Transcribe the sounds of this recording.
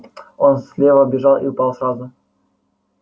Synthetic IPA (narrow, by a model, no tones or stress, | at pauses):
o̞nsʲlʲevəbʲɪʐɑlˠḭʊpɑlˠsrazʊ